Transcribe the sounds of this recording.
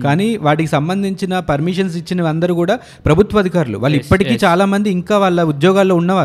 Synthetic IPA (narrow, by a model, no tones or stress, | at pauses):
kaːniːʋaːʈikisɐmbɐnd̪ʱiɲt͡ʃinɐpɐɾmiʂɐns̬it͡ʃːinɐɐnd̪ɐɾukuːɽaː | pɾɐbʱut̪ʋɐd̪ʱikaːɾulṵʋaːɭːuipːɐʈikiːt͡ʃaːlaːmɐnd̪iːŋkaːʋaːɭːɐud̪jɔːɡaːlːo̞ːunːɐʋaː